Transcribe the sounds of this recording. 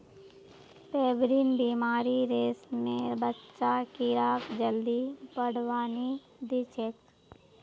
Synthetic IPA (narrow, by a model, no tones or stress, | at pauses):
peːbɾiːnbiːmaːɾiɾeːsmẽbətːʃakɪɾaːkd͡ʒəld̪ipəɽʋaːni | d̪ɪt͡ʃʰek